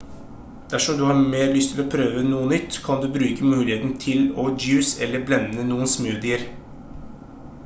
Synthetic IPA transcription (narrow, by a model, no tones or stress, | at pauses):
d̪̥æʂɔmd̪ʉːhɑːɾmeːɾlʏst̪ʰɪlɔːpʰɾøːʋənuːənʏt̪ːkʰɑnd̪ʉːbɾʉːkəmʉːlɪheːt̪nt̪ʰɪlɔd͡ʒjʉːsɛlːəblɛnːənuːənsmʉːd̪ɪəɾ